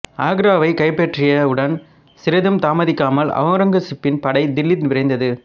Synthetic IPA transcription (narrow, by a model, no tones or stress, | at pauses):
aːɡɾaːʋɐɪkɐɪpːɛʈrɪjɐʊɽɐn | sɪɾɐðɯmt̪aːmɐðɪkːaːmɐlɐ̰ʋɐŋɾɐŋɡɐsɪpːɪnpɐɽɐɪd̪ɪlːɪt̪ʋɪɾɐɪnd̪ɐðɯ